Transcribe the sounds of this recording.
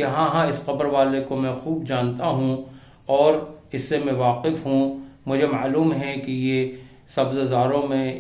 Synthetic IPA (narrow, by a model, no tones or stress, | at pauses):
kɪɦãɦãɪsqɐbɾʋaːlekomɛ̃xuːbd͡ʒaːnt̪aɦũ | ɔːɾɪsːemɛ̃ʋaːqɪfɦũmʊd͡ʒʱema̰ːluːmɦɛkije | sɐbzzaːɾõmẽ